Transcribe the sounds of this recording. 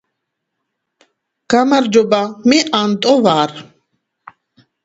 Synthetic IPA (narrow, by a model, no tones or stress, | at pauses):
ɡ̥amaɾd͡ʒɔbamiʔant̪ʼɔvaːɾ